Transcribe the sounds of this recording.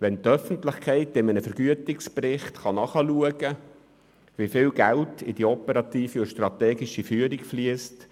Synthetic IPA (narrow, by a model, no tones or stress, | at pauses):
ʋɛntœfən̩tlɪχkʰɛɪtːɪmənəfəɾɡ̥yətɪksprɪχtχɑnɑχəluəɡə | ʋifɪːlɡæltʰḭd̥iɔpəɾɑt̪iːfiʊʃtrɑtɛːɡiʃifyəɾikfliəst